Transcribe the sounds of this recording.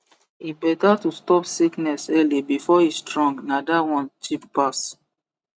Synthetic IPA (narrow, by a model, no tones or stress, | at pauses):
ibɛtatustɔpsiknɛsɛlibifɔistɹɔ̃ŋɡnadawɔ̃nt͡ʃippas